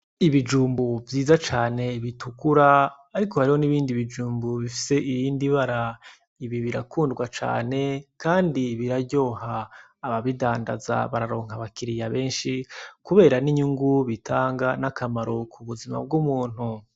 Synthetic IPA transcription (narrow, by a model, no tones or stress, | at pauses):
iβid͡ʒuːmbuvjiːzat͡ʃaːne̞βitʰukuɾaː | ɾiko̞haɾiho̞niβiːndiβid͡ʒuːmbuβifi̥se̞ʔiβiːndiβaɾa | iβiβiɾakʰuːndɡwat͡ʃa̰ːne̞kaːndiβiɾaɟo̞ːhaː | βaβidaːnda̰za̰βaɾaɾo̞ːŋhaβakiɾijaβe̞ːnʃikuβe̞ːɾaniɲuŋɡuβitʰaːŋɡanakamaɾo̞kʰuβuzima̰b̚ɡumuːn̥hu